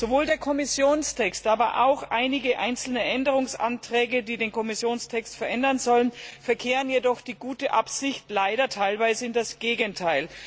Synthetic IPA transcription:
z̥ovoːldeːɐkʰɔmɪsjoːnstʰɛkstʔaːbɐʔa̰ʊxʔaɪnɪɡəʔa̰ɪnt͡sl̩nəʔɛndəʁ̞ʊŋsʔa̰ntʁ̥ɛːɡədiːdeːnkʰɔmɪsjoːnstʰɛkstfɛɐʔɛndɐnzɔlənfɛɐkʰeːʁənjedɔχd̥iːɡuːtəʔapz̥ɪçtlaɪɾɐtʰaɪlvaɪzəɪndasɡ̥eːɡəntʰaɪl

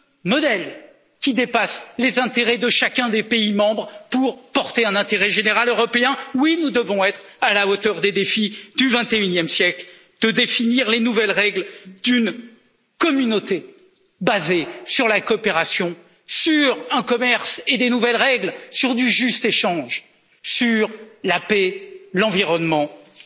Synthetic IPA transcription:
mɔd̪ɛl | kʲid̪epaslezɛ̃t̪eʁɛd̪əʃakʲɛ̃d̪epeimɑ̃bʁpuʁpɔʁt̪eɛ̃nɛ̃t̪eʁɛʒeneʁaløʁɔpeɛ̃winud̪əvɔ̃ɛt̪χalaot̪œʁd̪ed̪efid̪yvɛ̃t̪eynjɛmsjɛkl | d̪̥əd̪efiniʁlenuvɛlʁɛɡld̪yn | kɔmynot̪e | bazesyʁlakɔːpeʁasjɔ̃ | syʁɛ̃kɔmɛʁsed̪enuvɛlʁɛɡlsyʁd̪yʒyst̪eʃɑ̃ʒ | syʁlapelɑ̃viʁɔnmɑ̃

